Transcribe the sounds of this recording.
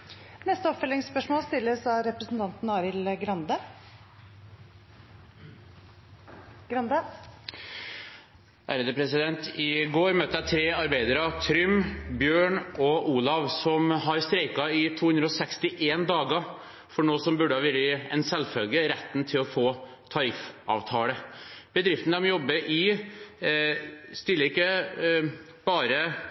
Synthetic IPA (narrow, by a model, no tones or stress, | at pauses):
nɛst̪əɔpfœlɪŋspœʂmoːlst̪ɪlːəsɑːɾɛpɾəsn̩t̪ʰɑnt̪n̩ɑːʋɪlɡɾɑnd̪ə | ɡɾɑnd̪ə | æːɾəd̪əpʰɾɛsɪd̪ɛnt̪ɪɡoːɾmøːt̪əæɪt̪ʰɾeːɑɾbæɪd̪əɾɑt̪ʰɾʏmbjøːɳʔɔʔuːlɑʋsɔmɦɑɾst̪ɾeɪkɑɪt̪ʰuːhʉnd̪ɾəɔsɛkst̪ɪʔeːnd̪ɑːɡɑ | fɔɳoːsɔmbʉɖəhɑʋɪɾɪɛ̰nsɛlfœlɡəɾɛt̪ːnt̪ʰɪlɔfoː | t̪ʰɑɾɪfɑ̰ːʋt̪ʰɑːləb̥əd̪ɾɪft̪ənæmjɔbːəʔɪ | st̪ɪlːəɾɪkːə | b̥ɑːɾə